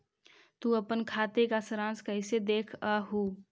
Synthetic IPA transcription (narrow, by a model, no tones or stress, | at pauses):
t̪uəpənkʰat̪ekasɾãnskəɪsed̪ekʰəɦu